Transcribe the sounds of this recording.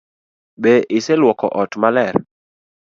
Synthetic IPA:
beʔɪsɛlwɔkɔ̰ʔɔtmalɛr

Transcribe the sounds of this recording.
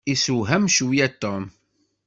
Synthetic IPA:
isuwɦæmʃwijæt̪ːɔm

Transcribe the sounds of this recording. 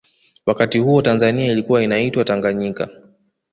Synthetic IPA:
wakatihuɔtanzaniailikuwainaitwataŋɡaɲika̰

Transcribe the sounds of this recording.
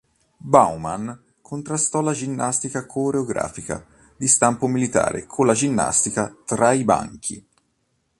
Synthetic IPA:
bawman | kʰont̪ɾast̪ɔlad͡ʒinːast̪ikakʰoɾeoɡɾa̰ːfika̰ | d̪ist̪ampomilit̪a̰ːɾʔḛkʰolad͡ʒinːa̰st̪ikat̪ɾaiba̰ŋk̟ʰḭ

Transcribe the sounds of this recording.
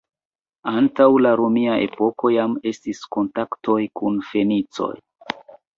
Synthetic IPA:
antawlaɾomiaʔe̞̰po̞ko̞jame̞stisko̞ntakto̞jkunfe̞nit͡so̞̰j

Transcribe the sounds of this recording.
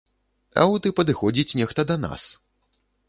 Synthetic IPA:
ɐ̰wt̪ɨpɐd̪ɨxɔd͡zʲit͡sʲnʲɛxt̪ɐd̪ɐna̰s

